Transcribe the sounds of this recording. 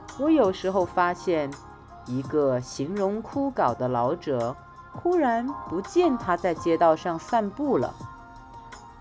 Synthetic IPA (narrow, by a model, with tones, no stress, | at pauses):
wɔ˧˥jo˨˩ʊʂɻ̩˧˥xo˥˧ʊfa˥ɕjɛ˥˩n | i˧˥ɡə˧ɕi˧˥ŋɻʊ˧˥ŋkʰu˥kɑ˨˩ʊd̪ə˦lɑ˧˥ʊʈ͡ʂɤ˨˩˦ | t̪ʰu˥ɻa˧˥npu˧˥t͡ɕjɛ˥˩nt̪ʰa˥t͡sa˥˧ɪt͡ɕjɛ˥˧t̪ɑ˥˧ʊʂɑ˥˧ŋsa˥˧npu˥˩lə̰˩